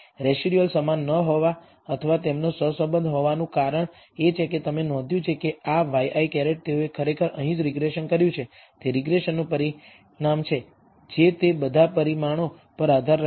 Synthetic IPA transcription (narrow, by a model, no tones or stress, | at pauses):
ɾɛʃiɾiəlsəmanːəɦoʋa | ət̪ʰəʋat̪emnosəsəbənd̪ɦoʋanũkaɾəɳ | et͡ʃʰeket̪əmenɔ̃d̪ʱjũt͡ʃʰekeaʋajʔaikɛɾeʈ̚t̪euekʰəɾekʰəɾəɦĩd͡ʒɾɪɡɾeʃənkəɾjũt͡ʃʰe | t̪eɾɪɡɾeʃənːũpəɾi | ɳamt͡ʃʰe | d͡ʒet̪ebəd̪ʱapəɾimaɽ̃o | pəɾad̪ʱaɾ